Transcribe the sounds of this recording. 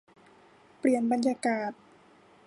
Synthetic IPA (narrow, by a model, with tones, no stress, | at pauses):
pli˨˩ənba˨nja˧kaː˨˩t̪̚